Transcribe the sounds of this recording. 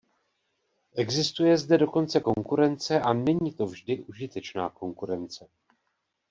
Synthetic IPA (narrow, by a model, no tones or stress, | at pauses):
ʔɛɡzɪst̪ujɛzdɛdo̞ko̞nt͡sɛko̞ŋkuɾɛnt͡sɛʔanɛɲiːt̪o̞vʒdɪʔuʒɪt̪ɛt͡ʃna̰ːko̞ŋkuɾɛnt͡sɛ